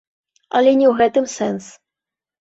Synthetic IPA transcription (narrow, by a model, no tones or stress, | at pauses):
ɐ̰lʲɛnʲɛwɣɛt̪ɨmsɛns